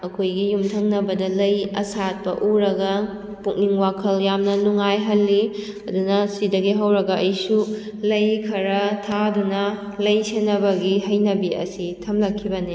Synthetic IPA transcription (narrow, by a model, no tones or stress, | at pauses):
ɐkʰojɡijumtʰɐŋnɐbɐdɐlɐjɐ̰sat̚pɐ̰ʔuɾɐɡɐ | pukniŋwakʰɐljamnɐnuŋajɦɐlːi | ɐdunɐsidɐɡiɦɐwɾɐɡɐʔɐjsu | lɐjkʰɐɾɐtʰadunɐ | lɐjsenɐbɐɡiɦɐjnɐbiɐ̰sitʰɐmlɐkʰːibɐni